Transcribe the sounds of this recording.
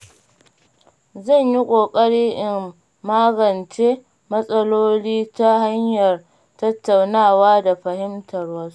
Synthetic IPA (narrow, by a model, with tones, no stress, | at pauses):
zɐ˦˨ɲji˦kʷʼoː˨kʼɐ˦ɽiː˦ʔɪ˨mː | aː˦ɡɐ˨nt͡ʃeː˦ | mɐ˦sʼɐ˦loː˦liː˦ta˦ha˦ɲjɐ˨r | tɐ˦tːa˨wnaː˦˨waː˦da˨ɸɐ˨hɪ˦mtʰɐ˨rwɐ˦ss